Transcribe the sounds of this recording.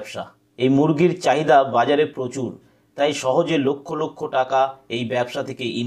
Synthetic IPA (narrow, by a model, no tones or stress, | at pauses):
bʃa̰ | ejmuɾɡiɾt͡ɕaɦid̪abad͡ʑaɾepɾot͡ɕuɾ | t̪ajʃɔɦod͡ʑelokʰːolokʰːoʈakaejbɛbʃat̪ʰekeʔin